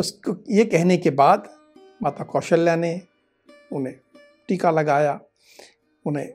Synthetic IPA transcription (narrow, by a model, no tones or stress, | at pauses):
ʊskojekɛɦnekebaːd̪ | maːt̪akɔːʃəljane | ʊne | ʈiːkalɐɡaːja | ʊnḛ̃